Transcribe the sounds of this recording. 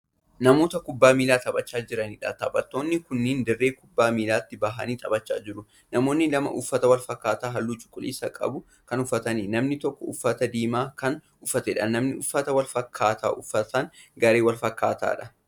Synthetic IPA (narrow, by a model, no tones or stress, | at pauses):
nɐmo̞ːt̪ɐkʊbːaːmiːlaːt̪ɐbɐt͡ʃːaːd͡ʒɪɾɐniːᶑɐt̪ɐbɐt̪ːo̞ːnːɪkʊnːiːnd̪ɐrːe̞ːkʊbːaːmiːlaːt̪ːɪbɐɦɐ̰niːt̪ʼɐbɐt͡ʃːa̰ːd͡ʒɪɾʊ | nɐmo̞ːnːɪlɐmɐ̰ʔʊfːɐt̪ɐwɐlfɐkːaːt̪aːɦɐlːuːt͡ʃʼʊ̥kʼːʊlḭːsɐkʼɐ̰bʊ | kɐnʊfːɐt̪ɐniːnɐmnɪt̪ɔkːɔʊfːɐt̪ɐd̪iːmaːkɐn | ʊfɐt̪ɛᶑɐnːɐmnɪʔʊfːɐt̪ɐwɐlfɐkʰːaːt̪ʰa̰ːʔʊfːɐt̪ɐŋɡɐɾe̞ːwɐlfɐkːa̰ːt̪a̰ːᶑɐ̥